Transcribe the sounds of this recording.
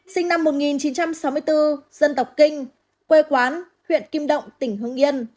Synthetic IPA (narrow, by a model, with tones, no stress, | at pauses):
si˧ŋ̟na˧mːo˨˩t̚ŋi˨˩nt͡ɕi˨˦nt͡ɕa˧msa˨˦wmɨ˧əjt̪ɨ˧zə˧nt̪ə˨˩wk͡p̚kï˧ŋ̟ | kwe˧kwaː˨˦n | hwḭ˧˨ənki˧mɗə̰˧˨wŋ͡mt̪ï˧˩ŋ̟ɦɨ˧əŋʔi˧ən